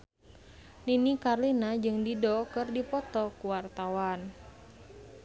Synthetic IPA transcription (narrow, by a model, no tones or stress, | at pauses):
ninikarlinad͡ʒɨŋdidɔkɨrdipɔt̪ɔkuwart̪awan